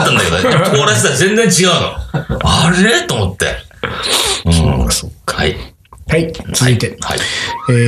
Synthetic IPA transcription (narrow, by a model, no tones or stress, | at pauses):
t̪ːãnd̪akeooɾasiazẽ̞nd͡zẽɲt͡ɕiɡaɯ̟no̰aɾet̪oːmot̪ːḛ | so̰ːksokːi | hait͡sɨzɨit̪ehaeː